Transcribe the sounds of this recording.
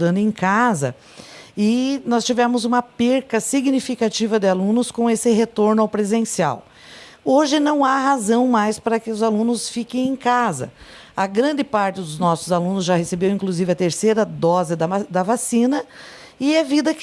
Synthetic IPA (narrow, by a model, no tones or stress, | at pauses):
d̪ɐ̃nd̪ʊẽkazɐ̰ | ɪnɔst͡ʃivɛɾmʊzũmɐpeɾkɐsiɡnifikat͡ʃivɐd̪ɪalũnʊskõesɪɦet̪oɾnʊawpɾezẽsia̰w | oʒɪnɐ̃w̃ahazɐ̃w̃majspaɾɐkɪʊzalũnʊsfikẽj̃ẽkazɐ̰ | ɐɡɾɐ̃nd͡ʒ̪ɪpaɾt͡ʃɪd̪ʊznɔsʊzalũnʊzʒahesebewĩŋkluzivɪɐt̪eɾsejɾɐd̪ɔzɪd̪ɐd̪ɐvasĩnɐ | ɪɛvid̪ɐk